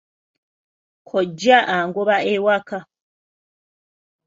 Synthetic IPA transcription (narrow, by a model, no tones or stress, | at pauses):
kʰoɟːaʔaːŋɡoβaewaka